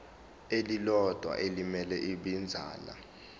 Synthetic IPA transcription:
elilɔd̥ʱwa̰ʔelimɛlɛʔiɓind͡zʱa̰ːla̰

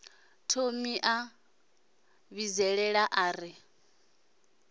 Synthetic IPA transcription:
tʰomiʔa | βizɛɺɛɺaʔaːɾi

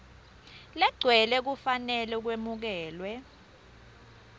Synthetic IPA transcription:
lɛɡ͡ǀʱwɛlɛk̬ufanɛlɛuk̬wemuk̬ɛːlwɛ

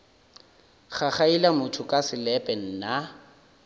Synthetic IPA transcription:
χaχailamʊtʰʊkʼasɪlɛpʼɛn̩na

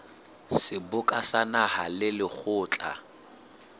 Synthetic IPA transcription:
sɪbʊkʼasanahalɪlɪk͡xʰʊːt͡ɬʼa̰

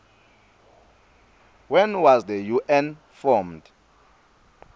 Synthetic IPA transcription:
wɛnwazdəjuʔɛn | fɔmd̥

